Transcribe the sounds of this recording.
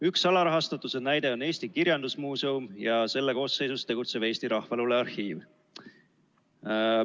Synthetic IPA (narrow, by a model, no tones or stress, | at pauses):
yksɑlɑɾɑɦɑst̪ɑt̪ːˑusenæjd̪̥e̞o̞ne̞ːsʲt̪ikiɾjɑnd̪̥usmuːse̞umjɑse̞lːeko̞ːsːe̞jsust̪e̞ɡut̪se̞b̥e̞ːsʲt̪iɾɑhfɑluleɑrhiːv